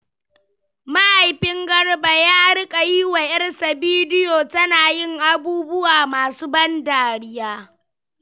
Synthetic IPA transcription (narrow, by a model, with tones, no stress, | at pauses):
ma˦ʔa˨jɸɪ˦ŋɡɐ˦ɽba˨jaː˦ɽɪ˦kʼa˨jiː˦wa˨ʔɐ˦ɽsa˨biː˦dɪ˦joː˨tɐ˦naː˨jɪ˦˨ŋʔa˨buː˦bʊ˦waː˨maː˨suː˦bɐ˦ndaː˨ɽɪ˦jaː˦